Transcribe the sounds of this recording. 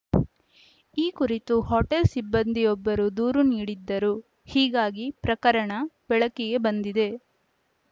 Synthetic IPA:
iːkuɾit̪uhoʈelsibːɐnd̪ijɔbːɐɾud̪uːɾuniːɽid̪ːɐɾu | hiːɡaːɡipɾɐkɐɾɐɳɐbɛɭɐkiɡe̞bɐnd̪id̪e̞

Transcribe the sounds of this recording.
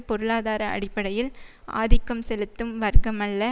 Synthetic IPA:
pɔɾɯɭaːðaːɾɐɐ̰ɽɪpːɐɽɐjɪlʔa̰ːðɪkːɐmsɛlɯt̪ːɯmʋɐɾɡɐmɐɭːɐ

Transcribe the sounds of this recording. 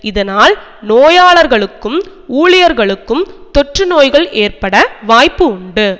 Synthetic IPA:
ɪðɐnaːlnoːjaːɭɐɾɣɐɭɯkːɯmuːɭɪjɐɾɣɐɭɯkːɯmt̪ɔʈrɯnoːjɣɐɭeːɾpɐɽɐʋaːjpːɯʊɳɖɯ

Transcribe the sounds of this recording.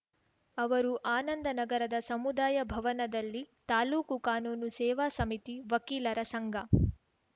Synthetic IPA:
ɐʋɐɾuʔaːnɐnd̪ɐnɐɡɐɾɐd̪ɐsɐmud̪aːjɐbʱɐʋɐnɐd̪ɐlːit̪aːluːkukaːnuːnusɛːʋaːsɐmit̪iʋɐkiːlɐɾɐsɐŋɡʱɐ

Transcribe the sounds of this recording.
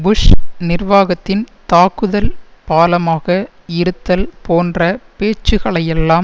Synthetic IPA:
bʊʂnɪrʋaːɣɐt̪ːɪnt̪aːkːɯðɐlpaːlɐmaːɣɐ | ɪɾɯt̪ːɐlpoːndrɐpeːt͡ʃːɯɣɐɭɐjɛlːaːm

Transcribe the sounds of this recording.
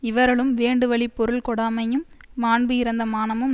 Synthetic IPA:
ɪʋɐɾɣɐɭɯmʋeːɳɖɯʋɐɭipːɔɾɯɭkɔɽaːmɐjɯmːaːɳbɯɪɾɐnd̪ɐmaːnɐmɯm

